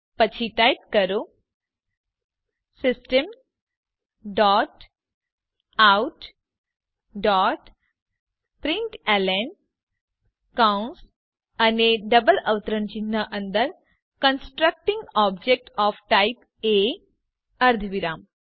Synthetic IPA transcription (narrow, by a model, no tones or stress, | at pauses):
pət͡ɕʰiʈajp̚kəɾo | sɪsʈəm | ɖaːʈ | auʈ | ɖaɔːʈ | pɾiɳʈɛlen | kauns | ɐneɖəbəlɐʋt̪əɾəɳt͡ʃinːaʔɐ̃nd̪əɾ | kənsʈɾək̚ʈĩŋɡɔb̚d͡ʒek̚ʈɔːfʈaip | e | ɐɾd̪ʱəʋiɾaːm